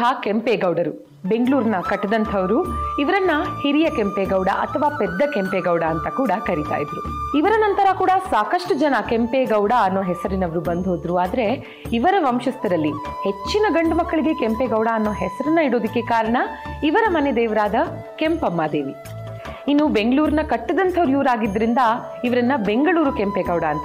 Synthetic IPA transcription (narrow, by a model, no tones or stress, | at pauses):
aːkempeːɡɐwɽɐɾu | be̞ŋɡɭuːɾnɐkɐʈːɐd̪ɐnt̪ʰɐʋɐɾuiʋɐɾɐnːɐhiɾijɐkempeːɡɐwɽɐ̰ʔɐ̰t̪ʰɐʋaːped̪ːɐkempeːɡɐwɽɐːnt̪ɐkuːɽɐkɐɾit̪a̰ːjid̪ɾu | iʋɐɾɐnɐnt̪ɐɾɐkuːɽɐsaːkɐʂʈud͡ʒɐnɐkempeɡɐwɽaɐnːo̞ːɦɛsɐɾinɐʋɐɾubɐnd̪ʱɦoːd̪ɾuaːd̪ɐɾe̞ | iʋɐɾɐʋɐmʃɐst̪ɐɾɐlːi | het͡ʃːinɐɡɐɳɖumɐkːɐɭiɡe̞kempeːɡɐwɽɐɐnːo̞ːɦɛsɐɾinːɐiɽo̞ːd̪ikːe̞kaːɾɐɳɐiʋɐɾɐmɐned̪ɛːʋɐɾaːd̪ɐ | ke̞mpɐmːaːd̪eːʋi | inːubeŋɡɐɭuːɾinɐkɐʈːɐd̪ɐnt̪ʰɐʋɐɾujuːɾaːɡid̪ːɐɾind̪ɐ | iʋɐɾɐnːɐbe̞ŋɡɐɭuːɾukempeːɡɐwɽɐːnt̪ɐ